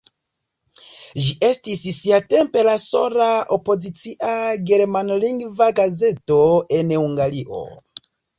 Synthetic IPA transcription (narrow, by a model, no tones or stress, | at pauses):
ʒiʔe̞stisːiate̞mpe̞laso̞lao̞po̞zit͡siʔaɡe̞ɾmanliŋɡvaɡaze̞to̞e̞nhuŋɡaliʔo̞̰